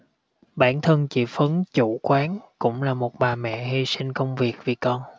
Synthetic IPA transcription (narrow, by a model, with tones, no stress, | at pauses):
ɓaː˧˩nt̪ʰə˧nt͡ɕḭ˧˩fə˨˦nt͡ɕu˧˩˨kwaː˨˦nkʊ̰˧˥ŋ͡mlaː˨˩mo˨˩t̚ɓaː˨˩mɛ̰˧˨hi˧sï˧ŋkə˧wŋ͡mvi˨˩ək̚vi˨˩kɔ˧n